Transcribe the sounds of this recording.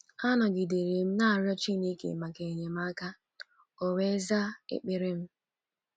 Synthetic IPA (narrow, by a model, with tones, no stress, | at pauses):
a˦nɔ˨ɡɪ˨de˨ɾe˨m̩˦na˦˨ɾjɔ˦t͡ʃi˦ne˦kḛ˨ma˨ke˨ɲe˨m̩˦a˦ka˦ | o˨we˦za˦ḛ˦k͡pɪ˦ɾɪ˦m̩˦